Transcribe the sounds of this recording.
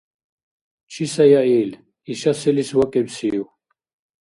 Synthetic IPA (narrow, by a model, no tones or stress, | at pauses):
t͡ʃʰisajaɛl | iʃasɛliswakʼɛbsiːw